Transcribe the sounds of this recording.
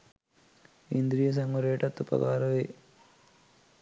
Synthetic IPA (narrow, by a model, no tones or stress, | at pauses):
ind̪ɾijɐs̬ɐŋʋɐɾeːʈɐt̪ːupɐ̰kaːɾɐʋe